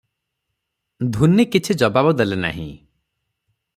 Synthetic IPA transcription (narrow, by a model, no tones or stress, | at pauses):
d̪ʱunikit͡ʃʰid͡ʒɔbabɔd̪elena̰ɦḭ̃